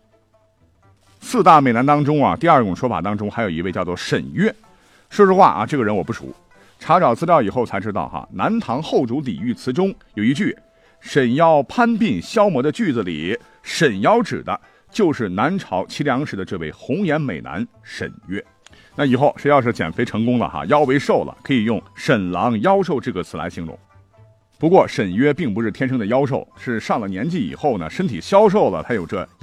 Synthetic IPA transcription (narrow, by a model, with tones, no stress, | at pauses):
sɹ̩˥˧t̪a˥˩me˨˩ɪna˧˥nt̪ɑ˥ŋʈ͡ʂʊ˥ŋɐ̰˨t̪i˥˧ɐ˞˥˩ʈ͡ʂʊ˨˩ŋʂwɔ˥fa̰˨˩t̪ɑ˥ŋʈ͡ʂʊ˥ŋxa˧˥ɪjo˨˩ʊi˧˥e˥˧ɪt͡ɕjɑ˥˧ʊt͡swɔ˥˩ʂə˨˩nɥɛ˥˩ | ʂɔ˥˧ʂɻ̩˥xwa̰˥˧ʔɐ̰˧ʈ͡ʂɤ˥˩ɡə˩ɻə˧˥nwɔ˨˩p̬u˥˩ṵ˧˥ | ʈ͡ʂʰɑ˧˥ʊʈ͡ʂɑ˨˩ʊt͡sʰɹ̩˥ljɑ˥˩ʊi˨˩xo˥˩ʊt͡sʰa˧˥ɪʈ͡ʂɻ̩˥t̪ɑ̰˥˩ʊxɐ̰˩na˧˥nt̪ʰɑ˧˥ŋxo˥˩ʊʈ͡ʂu˧˥lḭ˨˩y˥˩t͡sʰɹ̩˧˥ʈ͡ʂʊ˥ŋjo˨˩ʊi˧˥t͡ɕy˥˩ | ʂə˨˩njɑ˥˩ʊpʰa˥npi˥˩ŋɕjɑ˥ʊmwɔ˧˥d̪ə˧t͡ɕy˥˩d͡zɹ̩˨˩lḭ˨˩ | ʂə˨˩njɑ˧˥ʊʈ͡ʂɻ̩˨˩d̪ə̰˦ | t͡ɕjo˥˧ʊʂɻ̩˥˩na˧˥nʈ͡ʂʰɑ˧˥ʊt͡ɕʰi˧˥ljɑ˧˥ŋʂɻ̩˧˩d̪ə˧ʈ͡ʂɤ˥˧we˥˩ɪxʊ˧˥ŋjɛ˧˥nme˨˩ɪna̰˧˥n | ʂə̰˨˩nɥɛ˥ | na˥˩i˨˩xo˥˩ʊʂjɑ˥˧ʊʂɻ̩˥˩t͡ɕjɛ̰˨˩nfe˥ɪʈ͡ʂʰɤ˧˥ŋkʊ˥ŋlə̰˨xa̰˧jɑ˥ʊwe˧˥ɪʂo˥˩ʊlə̰˩kʰɤ˧˥i˨˩jʊ˥˩ŋʂə˨˩nlɑ˧˥ŋjɑ˥ʊʂo˥˧ʊʈ͡ʂɤ˥˩ɡə˩t͡sʰɹ̩˧˥la˧˥ɕi˧˥ŋɻʊ̰˧˩ŋ | pu˧˥kwɔ˥˩ʂə˨˩nɥɛ˥pi˥˩ŋpu˧˥ʂɻ̩˥t̪ʰjɛ˥nʂʰɤ˥ŋd̪ə˨˧jɑ˥ʊʂ̬o˥˩ʊʂɻ̩˥˧ʂɑ˥˩ŋlə˩njɛ˧˥nt͡ɕi˥˩ḭ˨˩xo˥˩ʊnə̰˩ʂə˥nt̪ʰi˨˩ɕjɑ˥ʊʂ̬o˥˩ʊlə̰˩t̪ʰa˥jo˨˩ʈ͡ʂɤ˥˧